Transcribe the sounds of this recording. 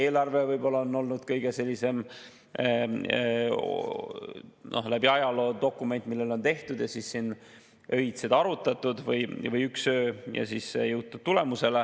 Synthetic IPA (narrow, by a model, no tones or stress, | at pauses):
e̞ːlɑrvevɤjbo̞lːɑonːo̞lnud̪̥kɤjɡ̥e̞se̞lʲːise̞m | no̞̰hlæbiɑjɑlo̞ːd̪o̞kːˑume̞nt̪ːˑmilːe̞lo̞nt̪e̞ht̪ud̪̥jɑsisːin | ø̞it̪sed̪ɑɾut̪ːˑɑt̪ːˑud̪̥vɤjvɤjyksøːjɑ̰siːsjɤwt̪̚t̪ːut̪̚t̪ːule̞muse̞le